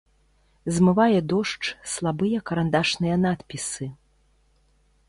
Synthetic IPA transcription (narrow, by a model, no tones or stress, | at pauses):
zmɨvajɛd̪ɔʂt͡ʂslˠabɨjɐkɐɾand̪aʂnɨjɐnat̪pʲisɨ